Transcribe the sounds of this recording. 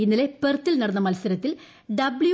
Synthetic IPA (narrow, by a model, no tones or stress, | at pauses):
inːɐle̞pert̪ːilnɐɽɐnːɐmɐlsɐɾɐt̪ːil | ɖɐblj